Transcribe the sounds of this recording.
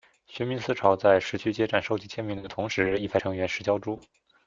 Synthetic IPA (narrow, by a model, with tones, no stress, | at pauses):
ɕɛ˧˥nmi˧˥nsɹ̩˥ʈ͡ʂʰɑ˧˥ʊt͡sa˥˩ɪʂɻ̩˧˥t͡ɕʰy˥t͡ɕjɛ˥ʈ͡ʂa˥˩nʂo˥˧ʊt͡ɕi˥˩t͡ɕʰjɛ˥nmi˧˥ŋd̪ə˧t̪ʰʊ˧˥ŋʂɻ̩˧˥i˥˩pʰa˥ɤ˧˥ŋɥɛ˧˥nʂɻ̩˧˥t͡ɕjɑ˥ʊʈ͡ʂu˥